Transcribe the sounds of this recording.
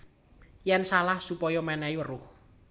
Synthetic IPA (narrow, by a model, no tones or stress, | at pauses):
jɛnsalahsupɔjɔmanaiwərʊh